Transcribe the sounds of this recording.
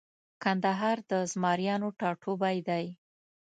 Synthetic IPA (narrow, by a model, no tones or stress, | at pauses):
kand̪aɦɑɾd̪əzmɑɾjɑnoʈɑʈʰobajd̪aj